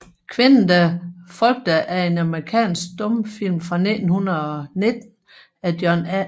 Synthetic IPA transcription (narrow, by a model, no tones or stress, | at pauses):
kʰʋe̝nn̩d̥æfɒ̽lɡ̥̚d̥əʔæe̝nɑməʁikʰɛ̰ːnsɡ̥̚d̥ɔ̽mfil̰mfʁɑ̈ned̥n̩hunɐɒ̽ne̝d̥n̩ | æd̥jɒn